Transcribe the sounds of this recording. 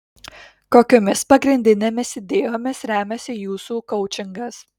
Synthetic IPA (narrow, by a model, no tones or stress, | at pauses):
koːkʲoːmʲɪspɐɡɾʲɪnʲd̪ʲɪnʲeːmʲɪsʲɪd̪ʲeːjoːmʲɪsɾʲæːmʲɛsʲɪjuːsuːkɔʊt͡ʃʲɪŋɡɐs